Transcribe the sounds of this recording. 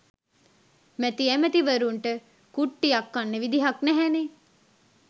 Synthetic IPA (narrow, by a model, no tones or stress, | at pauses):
mæt̪iæmət̪iʋəɾuɳʈə | kuʈːijakːanːeʋid̪iɦaknæɦæne